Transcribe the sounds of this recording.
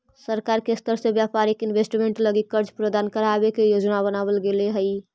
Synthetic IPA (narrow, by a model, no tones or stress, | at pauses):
səɾkaɾkest̪əɾsẽbjapaɾikinbesʈmeɳʈləɡikəɾd͡ʒpɾəd̪ankəɾabekejod͡ʒnabənabəlɡeleɦəj